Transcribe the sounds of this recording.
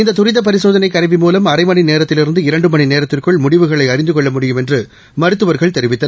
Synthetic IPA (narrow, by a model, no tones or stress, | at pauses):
ɪnd̪ɐt̪ʊɾɪðɐp̬ɐɾɪsoːðɐnɐɪkːɐɾɐʋimuːlɐmɐɾɐɪmɐnineːɾɐt̪ːɪlɪɾɯnd̪ɯɪɾɐɳɖɯmɐɳineːɾɐt̪ːɪrkɯɭmʊɽɪʋɯɣɐɭɐɪɐɾɪnd̪ɯkɔɭːɐmʊɽɪjɯmɛndrɯ | mɐɾɯt̪ːɯʋɐɾɣɐɭt̪ɛɾɪʋɪt̪ːɐ